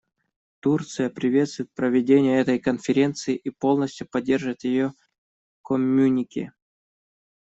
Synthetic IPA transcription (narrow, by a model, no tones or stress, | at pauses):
t̪urt̪sɨjəpɾʲɪvʲe̞t̪st̪vʊjɪt̪̚pɾəvʲɪdʲenʲɪjəɛt̪əjkənfʲɪɾʲe̞nt̪sɨɪʔipo̞lˠnəsʲtʲjʊpɐdʲːe̞rʐɨvət̪ʲjɪjo | komʲːunʲɪkʲɪ̰